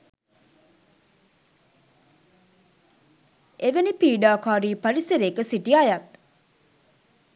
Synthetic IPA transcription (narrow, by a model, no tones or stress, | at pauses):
eʋenipiːɖaːkaːɾiːpɐɾiseɾekəsiʈiajɐt̪̚